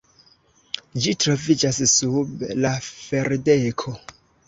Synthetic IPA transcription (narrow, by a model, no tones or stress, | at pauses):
d͡ʒitɾo̞vid͡ʒassublafeɾdekʰo